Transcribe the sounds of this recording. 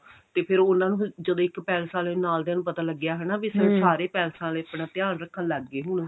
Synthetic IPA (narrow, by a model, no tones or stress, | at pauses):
t̪eːpʰɪɾʊnãːnũːd͡ʒəd̪õːɪkpɛːlsãːleːnaːld̪ẽaːnũːpət̪aːləɡːjaːɦɛːnaːʋisə̃saːɾeːpɛːlsãːleːəpɳaːt̪ɪjaːnɾəkʰːənləɡːeːɦʊn